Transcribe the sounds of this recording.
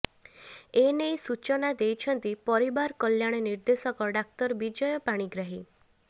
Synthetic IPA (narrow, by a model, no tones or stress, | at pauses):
enejsut͡ʃɔnad̪ejt͡ʃʰɔnt̪ipɔɾibaɾkɔljaɽ̃eniɾd̪esɔkɔɖak̚t̪ɔɾbid͡ʒɔjɔpaɽ̃iɡɾaɦi